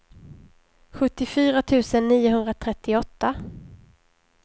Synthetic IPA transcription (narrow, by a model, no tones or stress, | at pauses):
ɧɵt̪ːɪfyːɾat̪ʰʉ̟ːsənːiːʊɦɵnd̪ɾat̪ʰɾɛt̪ːɪɔt̪ːa